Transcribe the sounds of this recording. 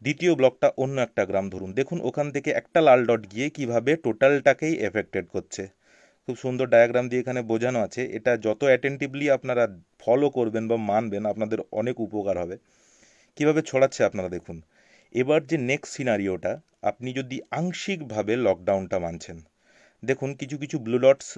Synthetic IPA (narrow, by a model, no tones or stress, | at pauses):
d̪it̪ioblɔk̚ʈaʔonːoɛk̚ʈaɡɾamd̪ʱoɾund̪ekʰunʔo̰kʰant̪ʰekeʔɛk̚ʈalaɭɖɔʈɡiekibʱabeʈoʈalʈakejʔefek̚ʈeɖkoɾːt͡ɕʰe | kʰubʃund̪oɾɖajaɡɾamd̪ieekʰanebod͡ʑʱanoat͡ɕʰeʔḛʈad͡ʑɔt̪oɛʈeɳʈibliapnaɾafʰɔlokoɾbenbamanbenapnad̪eɾɔ̰nekupokaɾɦɔbe | kibʱabet͡ɕʰoɽatːɕʰeapnaɾad̪ekʰun | ebaɾd͡ʑenekssinaɾioʈa | a̰pnid͡ʑod̪iaŋʃikbʱabelɔk̚ɖawnʈamant͡ɕʰen | d̪ekʰunkit͡ɕʰuk̬it͡ɕʰublulɔʈs